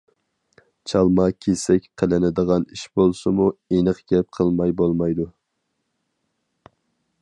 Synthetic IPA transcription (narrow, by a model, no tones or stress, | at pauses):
t͡ʃʰɑlˠmɑkʲʰesɛkʲqʰəlɪnɪd̪əʁɑniʃbolˠsɨmuenəqɡʲɛp̚qʰəlˠmɑjbolˠmɑjd̪u